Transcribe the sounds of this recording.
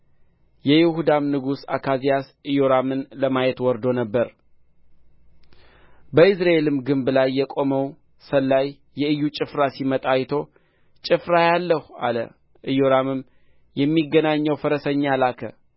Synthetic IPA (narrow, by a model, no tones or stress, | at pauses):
jɛjɪhud̪amnɨɡusa̰kʰazijas | ɨjoɾamɨnləmajɛt̪wɔɾd̪o̞nəbːəɾ | bəɨsɾae̞lɨmɡɨmblajːɛkʼo̞məw | səlːajːɛɨjːut͡ʃʼɨfɾasimət̪ʼajt̪ʰo̞ | t͡ʃʼɪfɾajalːəha̰lə̰ | ʔɨjoɾamɨm | jɛmːiɡːənaɲːəwfəɾəsəɲːalakʰə̰